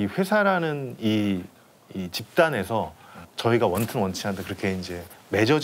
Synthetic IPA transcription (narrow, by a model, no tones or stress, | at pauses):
iɸwe̞sʰaɾanɯniː | t͡ɕip̚t͈ane̞sʰʌt͡ɕʌiɡawʌntʰɯnwʌnt͡ɕʰiɦandekɯɾʌkʰe̞ind͡ʑe̞me̞d͡ʑʌd͡ʑ